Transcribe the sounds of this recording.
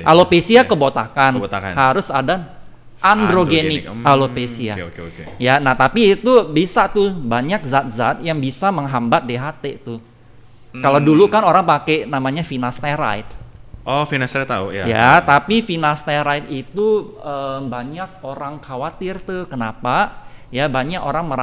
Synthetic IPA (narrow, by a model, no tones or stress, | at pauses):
ʔalopesiakəbot̪akant̪ka̰haɾʊsada | ʔandɾoɡenɪkalopesia̰kkjanaht̪apiːt̪ubisat̪ubaɲak̚zat̪̚za̰t̪̚jaŋbisaməŋɦambat̪̚deɦat̪et̪u | kaladulukanoɾaŋpakɛnamaɲafinast̪aɾa̰jt̪̚ʔɔfinasat̪ːaṵjaja̰t̪apifinast̪aɾajt̪̚it̪uəːmbaɲak̚oɾaŋkʰawat̪ɪrt̪uhkənapajabaɲakoɾaŋməɾa